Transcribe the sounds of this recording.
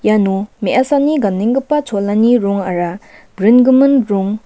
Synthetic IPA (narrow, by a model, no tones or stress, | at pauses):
janomeʔasaniɡamneŋɡəpːat͡sʰolaniɾoŋaɾa | bɾinɡumənɾoŋ